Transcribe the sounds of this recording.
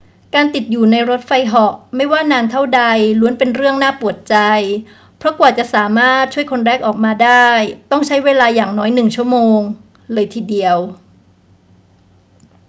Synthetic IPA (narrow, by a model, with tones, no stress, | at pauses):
kaː˧nt̪i˨˩t̪̚juː˨˩na˧jɾo˦˥t̪̚fa˧jɦɔ˨˩ʔma˥˩jwaː˥˩naː˧nt̪ʰa˥˩wda˧jlu˧˦ənpe˧nɾɯ˥˩əŋnaː˥˩pu˨˩ət̪̚t͡ɕa˧j | pʰɾɔ˦˥kwaː˨˩t͡ɕa˨˩ʔsaː˩˦maː˥˩t̪̚t͡ɕʰu˥˩əjkʰo˧nɾɛː˥˩k̚ʔɔː˨˩k̚maː˧daː˥˩jt̪ɔ˥˩ŋt͡ɕʰa˦˥jweː˧laː˧jaː˨˩ŋnɔː˦˥jnɯ˨˩ŋt͡ɕʰu˥˩əmoː˧ŋ | lɤː˧jt̪ʰiː˧˩di˧əw